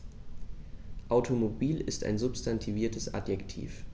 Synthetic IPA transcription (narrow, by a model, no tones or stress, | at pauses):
ʔaʊtʰomobiːlɪsta̰ɪnzʊpstʰantʰiviːɐtʰəsʔa̰djɛktʰḭːf